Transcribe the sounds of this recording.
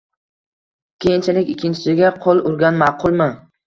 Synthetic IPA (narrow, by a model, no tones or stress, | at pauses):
kʲʰejɪnt͡ʃʰalɪkʲɪkʲʰːɪnt͡ʃʰɪ̥sɪɡʲaqʰolˠʊɾɡʲanmɑqʰʊlˠmɪ